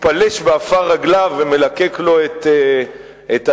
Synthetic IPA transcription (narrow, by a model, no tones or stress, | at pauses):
paleʃbeafaʁaɡlaveme̞lakeklo̞et̪e | et̪a